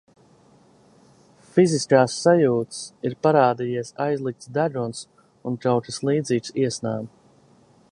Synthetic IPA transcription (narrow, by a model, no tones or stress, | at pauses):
fiziskaːsːajuːt̪siɾpaɾaːd̪ijiɛsa̰jzlˠik̚t̪sd̪aʒuns | unt̪awt̪islˠiːd̪ziːksiɛsnaːm